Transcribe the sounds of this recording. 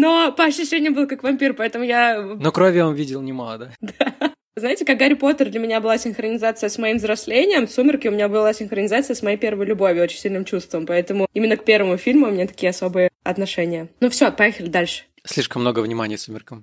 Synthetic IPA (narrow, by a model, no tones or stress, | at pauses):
nopəɐɕːʏɕːenʲɪjʊbɨlˠəkakvɐmʲpʲirpɐɛt̪əmʊjanokɾovʲjaonvʲidʲɪlˠnʲɪmalˠəd̪ad̪ | znaɪtʲɪkak̚ɡɐɾʲɪpo̞t̪ərd̪lʲəmʲɪnʲabɨlˠasʲɪnxɾənʲɪzat̪sɨjəsmɐimvzɾɐslʲenʲɪjəmsumʲɪrkʲɪʊmʲɪnʲabɨlˠasʲɪnxɾənʲɪzat̪sɨjəsmɐjejpʲe̞rvəjlʲʊbovʲjʊot͡ɕɪ̥nʲsʲilʲnɨmt͡ɕust̪vəmpɐɛt̪əmʊimʲɪnːək̚pʲe̞rvəmʊfʲilʲmʊʊmʲɪnʲat̪ɐ̥kʲijəɐsobɨjəɐt̪nɐʂɛnʲɪjənofsʲoɐt̪pɐjexəlʲɪd̪alʲʂɨ̥ | sʲlʲiʂkəmːnoɡəvnʲɪmanʲɪjsumʲɪrkəm